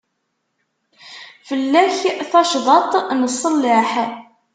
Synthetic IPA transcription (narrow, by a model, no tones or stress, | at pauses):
fəlːæçθɑʃðˤɑt̪ˤnəsˤːəlːɪħ